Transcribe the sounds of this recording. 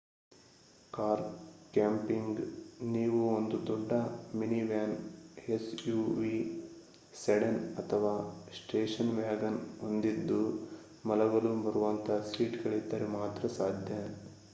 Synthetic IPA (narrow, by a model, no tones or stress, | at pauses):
kaːɾkaːmpiŋɡniːʋuond̪ud̪ɔɖːɐminiʋjaːnesjuːʋi | seɽɐnɐt̪ʰɐʋaːsʈeːʂɐnʋjaːɡɐnond̪id̪ːu | mɐlɐɡɐlubɐɾuʋɐnt̪ʰɐsiːʈɡɐɭid̪ːɐɾɛmaːt̪ɾɐsaːd̪ʱjɐ